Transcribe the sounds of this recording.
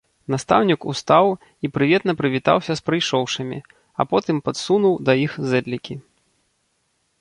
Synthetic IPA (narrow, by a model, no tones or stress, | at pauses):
nast̪a̰wnʲikṵst̪aw | ipɾɨvʲɛt̪nɐpɾɨvʲit̪a̰wsʲɐspɾɨjʂɔwʂɐmʲḭ | ɐ̰pɔt̪ɨmpɐt̪sunuwd̪ɐjixzɛd̪lʲikʲi